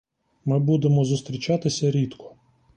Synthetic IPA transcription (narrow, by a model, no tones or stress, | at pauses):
mɪbud̪emɔzʊst̪ɾʲit͡ʃat̪ɪsʲɐɾʲit̪kʰɔ̥